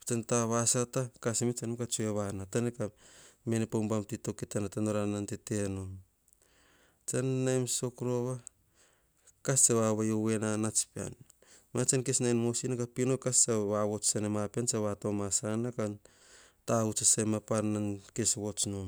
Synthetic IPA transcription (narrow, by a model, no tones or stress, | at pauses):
t͡ʃantaβasatakasmit͡ʃanemkat͡ʃueβanatanekame̞nepambamtito̞kitanatanoɾanantetenom | t͡ʃanːajmso̞kɾo̞βa | kast͡ʃaβaβajowe̞nanat͡ʃpea̰n | mat͡ʃankesnajnmosinakapinokast͡ʃaβaβo̞t͡ʃsanemapiant͡ʃaβatomasanakan | taut͡ʃasamapanankesβo̞t͡ʃnom